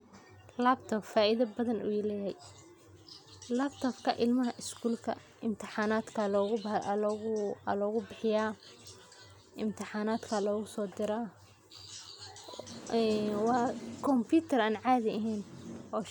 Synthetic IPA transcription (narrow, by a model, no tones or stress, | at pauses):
labt̪ʰɔbfaːʔiðɐbɐðɐnʔṵjlɛjɦɛj | laːbt̪ʰɔbkʰɐ̰ʔɪlmɐɦɐʔɪskʰuːlkʰɐ̰ | ʔɪmt̪ʰɪħɑːnaːd̪kʰɐlɔɣ | lɔːɣʊbɪħɪjaː | ʔɪmt̪ʰɪħaːnaːd̪kʰɐlɔːɣʊsɔːd̪ɪɾaː | wɑːkʰɔmpʰjuːt̪ʰɐraːnʕaːðɪɐɦɛːnʔɔː